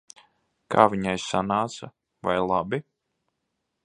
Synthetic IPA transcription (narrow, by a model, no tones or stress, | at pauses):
ka̰ːvʲiɲajsanaːt̪sa | vajlˠabi